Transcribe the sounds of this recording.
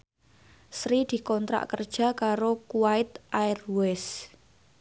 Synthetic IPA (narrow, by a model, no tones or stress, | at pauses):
sɾid̪̥i̤kɔnt̪ɾa̰ʔkərd̥ʒ̥a̤kaɾokuwaɪt̪ʔaɪrwɛs